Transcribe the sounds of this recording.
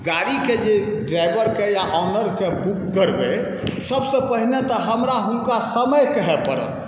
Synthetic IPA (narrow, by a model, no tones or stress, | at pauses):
ɡaɽiked͡ʒe | ɖɾaɪbəɾkejaʔɔnəɾkebukːəɾbe | səbsəpəɦinet̪ɔɦəmɾaɦunkasəməjkəɦɛpəɾə̰t̪